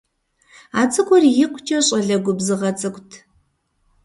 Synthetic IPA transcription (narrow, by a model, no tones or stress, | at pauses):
aːt͡sʼɨkʷɔrjɪqʷʊt͡ʃʰʼɐɕʼɐɮɐɡʷʊbzɨʁɐt͡sʼɨkʷʼtʰ